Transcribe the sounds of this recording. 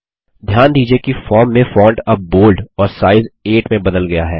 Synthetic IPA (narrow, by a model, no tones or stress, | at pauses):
d̪ʱjaːnd̪iːd͡ʒiekifɔːɾmːẽfɔ̃ːɳʈɐb̚boːlɖɔːɾsaːɪzeːʈmẽbɐd̪əlɡɐjaɦɛː